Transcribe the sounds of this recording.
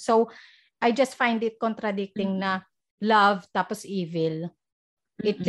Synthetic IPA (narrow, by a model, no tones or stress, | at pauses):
sow | ʔajd͡ʒɐst̪̚fãjnd̪ɪt̪̚kɔnt̪ɾad̪ɪk̚t̪ɪŋnɐ | lɐvt̪aːpɔsʔiːvɛl | ʔɪt̪̚